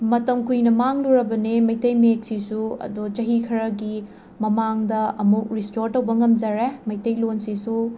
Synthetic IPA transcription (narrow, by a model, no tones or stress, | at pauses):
mɐtɐmkujnɐmaŋluɾɐbɐnemɐjtɐjmet̚sisuɐ̰dut͡ʃɐɦikʰɐɾɐɡi | mɐmaŋdɐɐmuk̚ɾistoɾtɐwbɐŋɐmd͡ʒɐɾemɐjtɐjlonsisu